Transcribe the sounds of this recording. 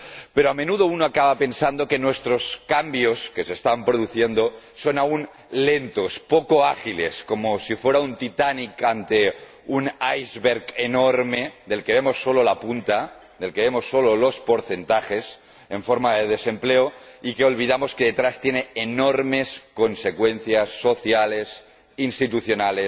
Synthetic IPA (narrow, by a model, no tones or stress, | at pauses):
peɾoame̞nuðounoakaβape̞nsand̪o̞kenwest̪ɾo̞skambioskesest̪ampɾoð̞uθjend̪o | so̞naun | lent̪o̞spokoaxilḛskomosifweɾaunt̪it̪anikant̪e | unajzβeɾkenoɾme̞d̪e̞lke̞β̞emo̞sːololapunt̪a | d̪elkeβemo̞sːololo̞spo̞ɾθe̞nt̪axes | eɱfoɾmaðeðese̞mpleoikeo̞lβ̞iðamoskeðet̪ɾast̪jeneːnoɾme̞skonsekwenθjasːoθjale̞s | inst̪it̪uθjonale